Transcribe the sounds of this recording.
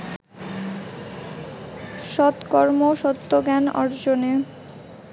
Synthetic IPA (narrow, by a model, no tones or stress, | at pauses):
ʃɔt̪kɔɾmoʃɔt̪ːoɡɛnɔ̰ɾd͡ʑone